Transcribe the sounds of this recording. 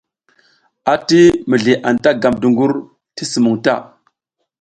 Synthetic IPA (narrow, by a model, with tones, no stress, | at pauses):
a˨ti˦mə˨ɮi˨ʔa˨nta˦ɡa˨mdu˨ŋɡu˦ɾ | ti˦su˨mu˨ŋta˦